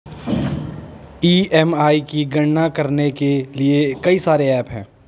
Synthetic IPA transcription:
iːɛmaːikiɡɐɽnakɐɾnekeliekɐisaːɾeɛːpɦɛ̃ː

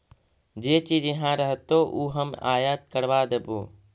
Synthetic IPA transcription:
d͡ʒeːt͡ʃiːd͡ʒjəɦãɾəɦt̪oʔuːɦəma̰ːjət̪̚kəɾʋaːd̪əboː

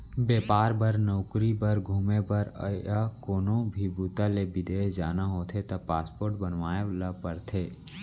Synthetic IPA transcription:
beːpaːɾbəɾnɔːkɾibəɾɡʱuːmebəɾə̰akoːnõbʱibuːt̪alebɪd̪eːɦd͡ʒaːnaɦoːt̪ʰet̪ɐpaːspoːɾʈbənʋaːeləpəɾt̪ʰeː

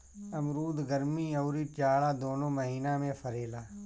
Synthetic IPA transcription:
ɐmɾuːd̪ɡəɾmiːoːɾiːt͡ʃaːɽaːd̪oːnõːməɦiːnaːmẽpʰəɾeːlaː

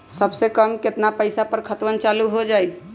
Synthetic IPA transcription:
səbsekəmket̪napəɪsapəɾkʰət̪wənt͡ʃaluɦod͡ʒaj

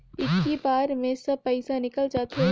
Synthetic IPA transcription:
ɪkːibaːɾmẽsɐb̚pɛɪsanɪkəld͡ʒaːt̪e

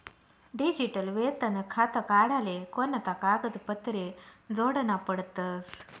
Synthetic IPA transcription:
ɖid͡ʑiʈəlʋet̪ənəkʰat̪əkaɽalekonːət̪akaɡəd͡z̪pət̪ɾed͡zoɽənapəɽt̪əs

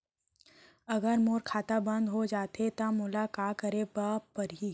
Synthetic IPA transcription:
ɐɡəɾmoːɾkʰaːt̪abɐ̃nd̪ɦod͡ʒaːt̪et̪amʊlakaːkəɾebapɐɾɦiː

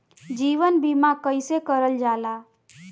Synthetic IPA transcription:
d͡ʒiːʋənbimakəɪsekəɾəld͡ʒaːla

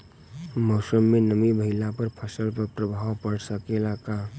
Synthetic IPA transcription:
mɔʊsəmːenəmibəɦɪlapəɾpʰəsəlpəɾpɾəbʱaɦpəɽsəkelaka

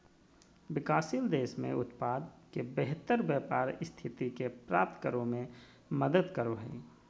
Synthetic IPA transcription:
wɪkaːsild̪eːʃmḛ̃ʊt̪paːd̪kebeɦt̪əɾbjəpaːɾst̪ʰɪt̪ikepɾa̰ːp̚t̪kəɾõmẽ | məd̪əd̪kəɾoɦɛ̰

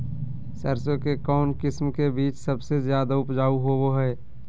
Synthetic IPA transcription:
səɾsõkekɔːnkɪsmkebiːt͡ʃsɐbsezjaːd̪aʊpd͡ʒaːuɦoʋoɦɛː

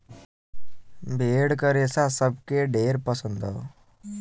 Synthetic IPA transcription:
bʱeɽkəɾesasəb̚keɖeɾpəsənd̪ʱə

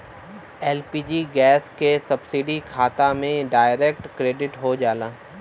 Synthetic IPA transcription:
ɛːlpiːd͡ʒiɡɛːskesɐbsɪɖikʰaːt̪amẽɖaːɪɾeːk̚ʈkɾeːɖɪʈɦod͡ʒaːlaː

